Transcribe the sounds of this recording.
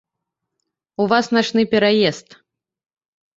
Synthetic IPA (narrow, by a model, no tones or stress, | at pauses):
uvasnat͡ʂnɨpʲɛɾajɛst̪